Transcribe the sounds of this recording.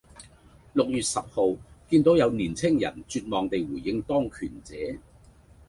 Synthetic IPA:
lʊ˨k̚jyː˨t̚sɐ˨p̚ho˨wkiː˧nt̪o˨˥wjɐ˨˧wniː˨˩nt͡sʰɪ˥ŋjɐ̰˨˩nt͡syː˧t̚mɔː˨˩ŋt̪e˨jwuː˨˩jːɪ˧ŋt̪ɔː˥ŋkʰyː˨˩nt͡sɛː˨˧˥

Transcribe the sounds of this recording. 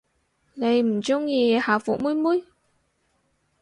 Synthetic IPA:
le˨˧˩jm̩˨˩t͡ɕʊ˧˥ŋji˨˩haː˨˩fṵ˨mu˧˥jmu˧˦˥j

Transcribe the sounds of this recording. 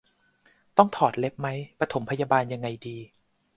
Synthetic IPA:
t̪ɔ˥˩ŋt̪ʰɔː˨˩t̪̚le˦˥p̚ma˦˥jpa˧t̪ʰo˩˦mpʰa˧jaː˧baː˧nja˧ŋːa˧jdiː˧

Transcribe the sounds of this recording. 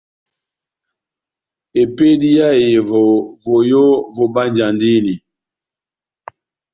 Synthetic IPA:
e˨pe˦di˦ja˦je˨vo˨vo˨jo˦vo˨ba˦nd͡ʒa˨ndi˦ni˨

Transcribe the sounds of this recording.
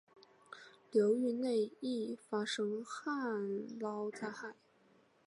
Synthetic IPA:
ljo˧˥ʊy˥˧ne˥˧ɪi˥˩fa˥ʂɤ˥ŋxa˥˩nlɑ˥ʊt͡sa˥˧ɪxa˨˩˦ɪ

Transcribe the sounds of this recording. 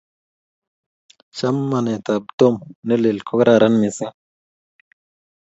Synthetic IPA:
t͡ʃa˦mːa˨ne˨ta˨b̚to˦mne˦le˨lkʰo˦kɾa˦˨ɾa˦nmi˨si˦ŋ

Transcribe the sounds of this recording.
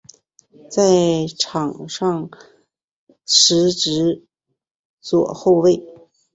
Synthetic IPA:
t͡sa˥˩ɪʈ͡ʂʰɑ˨˩ŋʂɑ˥˧ŋ | ʂɻ̩˧˥ʈ͡ʂɻ̩˧˥ | t͡swɔ˨˩xo˥˧ʊwe˥˩ɪ

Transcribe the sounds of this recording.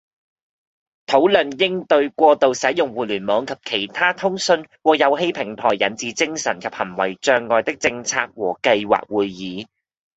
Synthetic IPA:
t̪ʰo˨˥wlɵ˨˩njɪ˥ŋt̪ɵ˧ɥkʷɔː˧t̪o˨wsɐ˨˥jʊ˨ŋwuː˨lyː˨˩nmɔː˨˥ŋkʰɐ˨p̚kʰe˨˩jt̪ʰaː˥t̪ʰʊ˥ŋsɵ˧nwɔː˨jɐ˨˧wɦe˧˥jpʰɪ˨˩ŋt̪ʰɔː˨˩jːɐ˨˥nt͡siː˨˧t͡sɪ˥ŋsɐ˨˩nkʰɐ˨p̚hɐ˨˩nwɐ˨˩jt͡ʃœː˧ŋːɔː˨˧jt̪ɪ˥k̚t͡sɪ˧ŋt͡sʰa̰ː˧k̚wɔː˨˩kɐ˧jwa̰ː˨k̚wuː˨˧jːiː˨˧

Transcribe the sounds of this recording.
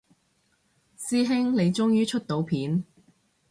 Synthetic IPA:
siː˥ɦɪ˥ŋle˨˧jt͡ʃʊ˥ŋjyː˥t͡ʃʰɵ˥t̚t̪o˨˥wpʰiː˨˥n

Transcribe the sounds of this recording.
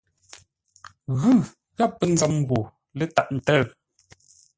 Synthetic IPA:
ɣʉ˦˨ | ɣa˦˨pːə˦n̩˦d͡zɔ˨˦mɣo˨ | lə˦ta˦˨ʔn̩˨tə˦˨

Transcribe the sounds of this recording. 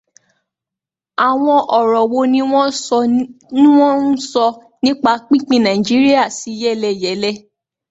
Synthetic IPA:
a˨w̃ɔ̃˧ʔɔ˨ɾɔ˨wo˧nĩ˦w̃ɔ̃˦sɔ˧nĩ˦w̃ɔ̃˦n̩˦sɔ˧ | nĩ˦k͡pa˧˦k͡pĩ˦˨k͡pĩ˧˨nã˨i˨d͡ʒi˨˦ɾi˦a˦˨si˨˦jɛ˦˨lɛ˧jɛ˨˦lɛ˦

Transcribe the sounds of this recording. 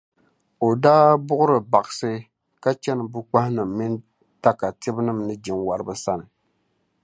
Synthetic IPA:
o˨daː˦bʊ˦ʔʊ˦ɾɨ˨ba˨ʔɨ˨sɨ˦ | ka˦t͡ʃɛ˦nɨ˨bu˦k͡pa˦hnɨ˨mːi˦n | ta˦ka˨tɪ˦bnɨ˦mnɨ˦d͡ʒɪ˨ŋwa˨ɾɨ˦bɨ˦sa˦nɨ˨

